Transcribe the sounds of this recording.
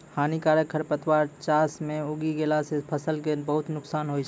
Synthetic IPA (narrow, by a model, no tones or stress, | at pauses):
hanikaɾjəkʰːəɾpət̪waɾt͡ʃasmẽuɡiɡelasepʰəsəlkebəɦʊt̪nʊksaːnɦojt͡ʃʰ